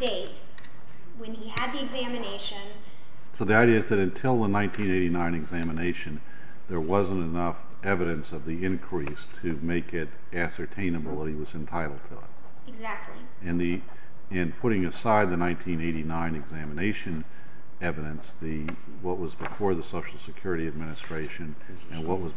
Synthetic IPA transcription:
d̥eɪt̚ | wɨ̃niɨd̪̚ðiɨɡzæmɨneɪʃɨ̃n | soʊðiaɪɾiɨɨzðɨɾɨ̃ntʰɪlˠðənãɪ̃ntʰĩneɪɾinãɪ̃nɨɡzæmɨneɪʃɨ̃n | ðə˞wʌzə̃ntɨnʌf | ɛvɨɾɨ̃nsʌvðiɪ̃nkʰɹ̥istʰɨmeɪkɪɾ | æsə˞tʰẽɪ̃nɨbl̩ˠðət̚hiwʌzɨ̃ntʰaɪɾl̩ˠd̚tʰɨɪ̰t̚ | z̚i | ɨ̃nði | ɨ̃npʰʊɾɪ̃ŋɨsaɪd̪̚ðɨnãɪ̃ntʰĩneɪɾinãɪ̃nɨɡzæ̃mɨneɪʃɨ̃n | ɛvɨɾɨ̃nsðɨ | wʌt̚wʌzbɨfɔɹðəsoʊʃl̩ˠsɨkʰj̥ʊɹɨɾiɨd̚mɪ̃ñɨstɹ̥eɪʃɨ̃n | ɨ̃nwʌʔ̚wʌz

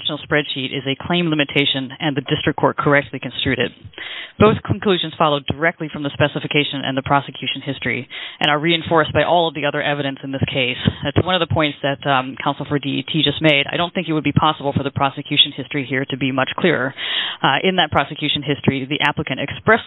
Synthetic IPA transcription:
ʃnl̩ˠspɹɛd̥ʃiɾɪzɨkʰl̥ẽɪ̃mlɪ̃mɨtʰeɪʃɨ̃nɨ̃nðɨdɪstɹ̥ɨkʰɔɹt̚kʰə˞ɛk̚tˡlikɨ̃n̩stɹ̥ʉɾɨ̰d̚b̥oʊθkʰn̩kʰl̥ʉʒɨ̃nz̥fɑlˠoʊdə˞ɛk̚tˡlifɹʌ̃mðɨspɛsəɨfɨkʰeɪʃɨ̃nʔɨ̰̃nðɨpʰɹ̥ɑsɨkʰj̥ʉʃnhɪstɹ̥ḭʔɨ̃nə˞ɹiɨ̃ɱfɔɹsb̥aɪʔɔlˠʌvðiʌðə˞ʔɛvɨɾɨ̃nsɨ̃nðɪskʰeɪsɨtwʌ̃nʌvðəpʰɔ̃ɪ̃ntsðɨtkʰãʊ̃nsl̩ˠfə˞diḭtʰid͡ʒʌst̚meɪɾaɪɾõʊ̃nθɪ̃ŋkɨt̚wəd̚bipʰɑsəbl̩ˠfə˞ðɨpʰɹ̥ɑsɨkʰj̥ʉʃɨ̃nhɪstɹ̥ihiɹɾɨbimʌt͡ʃkʰl̥ɪɹə̰˞ʔɪ̃nðɨt̚pʰɹ̥ɑsɨkʰj̥ʉʃɨ̃nɦɪstɹ̥iðiʔæpləkɨ̃ɾ̃ɨkspɹɛs

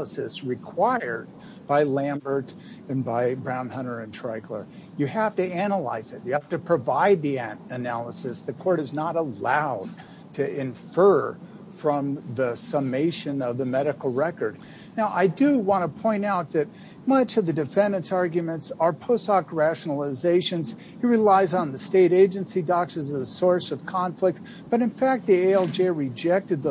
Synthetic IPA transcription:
əsɨsɹɨkʰw̥aɪə˞d̚ | baɪlæ̃mbə˞ɾ | ɨ̃nbaɪbɹãʊ̃nhʌ̃ñə˞ɨ̃ntʰɹ̥aɪkʰlə̰˞ | jɨhæftɨænəla̰ɪzɨt̚jɨhæftɨpʰɹ̥ɨvaɪd̪̚ðiɨɨnælˠəsɨsðɨkʰɔɹɾɨznəɾəlaʊd̚ | tʰɨɪ̃ɱfɜ˞ | fɹʌ̃mðɨsəmeɪʃɨ̃nʌvðɨmɛɾɨkl̩ˠɹɛkə˞d̚ | naʊʔaɪdɨwɑ̃nəpʰɔ̃ɪ̃ñaʊt̪̚ðɨt̚ | mʌt͡ʃʌvðɨdɨfɛ̃ndɨ̃nsɑɹɡjɨmɨ̃ntsə˞pʰoʊstɑkɹæʃnl̩ˠəzeɪʃɨ̃nz̥ | hiɹɨlaɪzn̩ðɨsteɪɾeɪd͡ʒɨ̃nsidɑk̚tɨzəsɔɹsʌv̥kʰɑ̃ɱflɨk̚t | b̥ʌɾɨ̃nfæk̚t̪̚ðieɪɛlˠd͡ʒeɪɹɨd͡ʒɛk̚tɨd̪̚ð

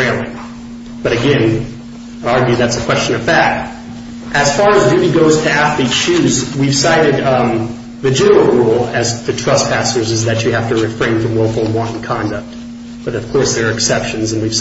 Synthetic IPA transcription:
æ̃mli | b̥ʌɾɨɡɛ̃n | ɑɹɡjʉðætsɨkʰw̥ɛst͡ʃɨ̃nʌv̥fæt̚ | ʔɨz̥fɑɹɨzdʉɾiɡoʊz̥tʰɨæfli̥ʃʉzwiv̥saɪɾɨd̪̚ | ðɨd͡ʒɛnə˞l̩ˠɹulˠɨzðɨtʰɹ̥ʌspʰæsə˞zɨzðɨt͡ʃɨhæftɨɹɨfɹẽɪ̃nfɹʌ̃mwɛlˠfl̩ˠwɑ̃ntn̩kʰɑ̃ndɨk̚t̚ | b̥ʌɾʌv̥kʰɔɹsðə˞ɨksɛpʃɨ̃n̩zɨ̃nwiv̥s

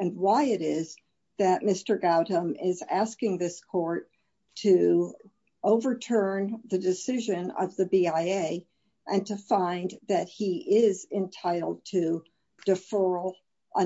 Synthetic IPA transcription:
ɨ̃nwaɪɨɾɪz̥ | ðɨt̚mɪstə˞ɡaʊɾə̃mɪzæskɪ̃ŋðɪskʰɔɹtʰ | ɨ | oʊvə˞tʰɜ̃˞nðɨdɨsɪʒɨ̃nʌ̰vðɨbiaɪeɪ | ʔɨ̃ntʰɨfãɪ̃nðɨt̚hiʔɪzɪ̃ntʰaɪɾl̩ˠd̚tʰɨ | d̥ɨfɜ˞l̩ˠ | ʔə̃

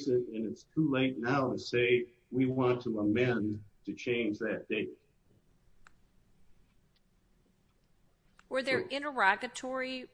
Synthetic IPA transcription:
sɪɾɨ̃nɨtstʰuleɪtⁿnaʊɾɨseɪ | wiwɑ̃ntʰəəmɛ̃ntʰɨt͡ʃʰẽɪ̃nd͡ʒðɨt̚d̥eɪt̚ | wə˞ðə˞ʔɪ̃ñə˞ɑɡɨtʰɔɹi

